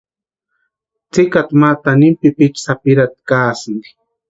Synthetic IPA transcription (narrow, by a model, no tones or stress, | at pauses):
t͡sɪkat̪mat̪anɪmpɪpɪt͡ʃsapɪɾat̪̚kaːsɪŋ